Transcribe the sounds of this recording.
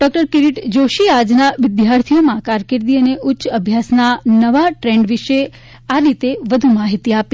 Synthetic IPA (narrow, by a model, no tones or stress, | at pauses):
ɖɔk̚ʈəɾkɪɾiʈd͡ʒoʃiad͡ʒnaʋɪd̪jaɾt̪ʰijomãkaɾkɪɾd̪iəneʔʊtːʃəbʱjasnanəʋaʈɾeɳɖʋiʃe | aɾit̪eʋəd̪ʱumaɦit̪iapi